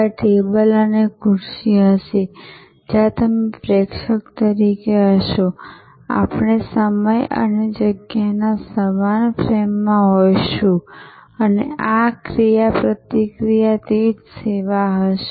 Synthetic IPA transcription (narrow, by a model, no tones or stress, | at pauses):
aʈebələnekʰʊɾʃiɦəʃe | d͡ʒat̪əmepɾekʃəkt̪əɾikeɦəʃo | a̰pɳesəməjə̰ned͡ʒəɡjanasəmanpɾemːãɦojʃũənḛakɾijapɾət̪ikɾijat̪id͡ʒseʋaɦəʃe̥